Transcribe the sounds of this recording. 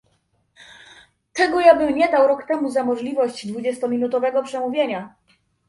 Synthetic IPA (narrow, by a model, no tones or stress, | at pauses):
t̪ɛɡɔjabɘmɲɛd̪awɾɔkt̪ɛmuzamɔʐlʲivɔɕd͡ʑd̪vud͡ʑɛst̪ɔmʲinut̪ɔvɛɡɔpʂɛmuvʲjeɲa